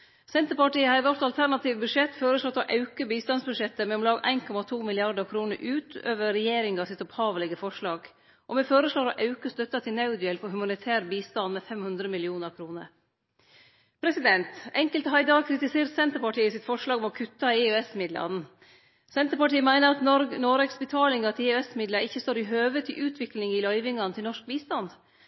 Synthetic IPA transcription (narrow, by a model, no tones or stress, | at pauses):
sɛnt̪əpɑʈiːəhɑɾʋɔɾt̪ɑlt̪ʰæɾnɑt̪ʰiːʋbʉʂɛt̪ːfoːɾəslɔt̪ːɔʔɑʉkəbiːst̪ɑnsbʉʂɛt̪ːəmɛlɔmlɑːɡʔæ̰ɪnkʰɔmɑt̪ʰuːmɪlɪɑɾɖ̪əɾkʰɾuːnəɾʔʉːt̪ø̰ːʋəɾɛjeːɾɪŋɑsɪt̪ɔphɑːʋəlɛɡəfɔʂɭɑːɡ | ʔɔmɛfoːɾəsɭoːɾɔʔɑʉkəst̪œt̪ːɑt̪ʰɪlnɑʉd̪ʏɛlpʰɔhʉmɑnɪt̪ʰæːɾbiːst̪ɑnmɛfɛmhʉnd̪ɾəmɪlɪuːnəɾkʰɾuːnə̰ɾ | pʰɾɛsɪd̪ɛnt̪ɛŋkəlt̪hɑɪd̪ɑkʰɾɪt̪ɪseːɾsɛnt̪əɾpɑʈʰiːəsɪt̪fɔʂɭɑːɡɔmɔkʰʉt̪ːɑɪøɛsmɪd̪lɑ̰n̩ | sɛnt̪əɾpɑʈiːəmæɪnəɾɑt̪nɔɾɡnoːɾɛksbət̪ʰɑːlɪŋɑt̪ʰɪʉɛsmɪd̪ləɾɪçːəst̪oːɾɪɦøːʋət̪ʰɪʔʉːt̪ʰʋɪklɪŋɪlœʏʋɪŋɑnət̪ʰɪlnɔʂk̚biːst̪ɑnd̪